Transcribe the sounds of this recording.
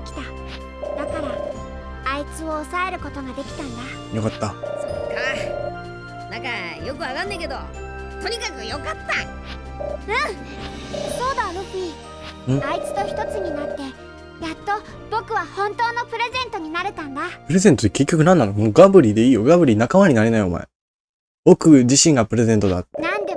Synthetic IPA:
kʲi̥t̪a | d̪akaɾa | ait͡sɨo̞ːsae̞ɾɯ̟ko̞t̪o̞ɡad̪e̞kʲi̥t̪ãnd̪a | jo̞kat̪ːasoka | nãŋkajo̞kɯ̟aɡãnd̪eke̞d̪o̞̰ | t̪o̞ɲ̟ikakɯ̟jo̞kat̪ːa | ɯ̟̃ | so̞ːd̪aːɾoɸʲi | ɯ̃ait͡sɨ̥t̪o̞çʲi̥t̪o̞t͡sɨɲ̟inat̪ːe̞ | jat̪ːo̞ | bo̞kɯ̟βahõ̞nt̪o̞ːno̞pɯ̟ɾe̞zẽ̞nt̪o̞ɲ̟inaɾe̞t̪ãnd̪apɯ̟ɾe̞zẽ̞nt̪ot̪ːeke̞kʲːo̞kɯ̟nãnːanokmoɡabɯ̟ɾʲiːd̪e̞iːjo̞ɡabɯ̟ɾʲinakamaɲ̟inaɾʲenaioma̰ḛ | o̞kɯ̟d͡ʑiɕĩŋɡapɯ̟ɾe̞zẽ̞nt̪o̞d̪a̰nãnd̪e

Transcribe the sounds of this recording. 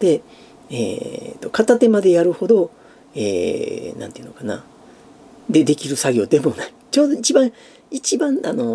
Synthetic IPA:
d̪̥e̞ | ḛːt̪o̞kat̪at̪e̞mad̪e̞jaɾɯ̟ho̞d̪o̞ | ḛːnã̰nt̪eɯ̟nokana̰ | d̪e̞d̪e̞kʲiɾɯ̟saɡʲo̞ːd̪e̞mo̞nait͡ɕo̞ːd̪o̞it͡ɕibãɰ | it͡ɕibãɴano̞

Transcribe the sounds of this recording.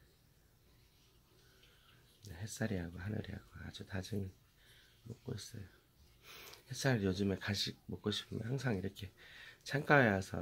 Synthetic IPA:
neɦes͈aɾiɦaɡohanɯ̰ɾiɦa̰ɡoa̰d͡ʑutad͡ʑɯŋ | mok͈̚o̰is͈ʌ̰jo | hes͈aɾɯɭjod͡ʑɯmekaɕʰik̚mok͈oɕʰi̥pʰɯmjʌ̰nhaŋsʰaŋiɾʌkʰe̞t͡ɕʰaŋk͈aejasʰʌ̰

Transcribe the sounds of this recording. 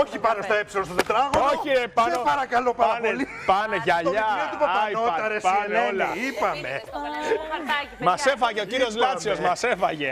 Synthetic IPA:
oçipɐnost̪oepsilonst̪ot̪ot̪ɾɐɣooçiepɐnopɐɾɐkɐlopɐɾɐnoli | pɐneʝɐʎɐot̪ipɐjoɐɐɾesɐnolɐipɐme | mɐse̞fɐʝeociɾio̞zlɐt͡sio̞zmɐse̞fɐʝe̞

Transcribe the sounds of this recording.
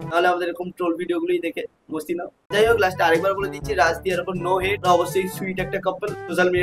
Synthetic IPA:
t̪aɦoleamad̪eɾɾkomʈɾolbʱiɖioɡulojd̪ekʰe | most̪ina | d͡ʑaɦjoɡlasʈaaɾek̚baɾboled̪it͡ɕʰiɾad͡ʑd̪iaɾopoɾnoɦeɖɔbosːojswiʈɛk̚ʈakəpːelsoʃalmiɖi

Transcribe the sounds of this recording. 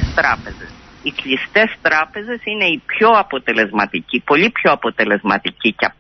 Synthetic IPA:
st̪ɾɐpe̞zes | ikʎist̪e̞st̪ɾɐpe̞ze̞sine̞ipço̞ɐpo̞t̪e̞le̞zmɐt̪icipo̞ʎipço̞ɐpo̞t̪e̞le̞zmɐt̪icicɐ

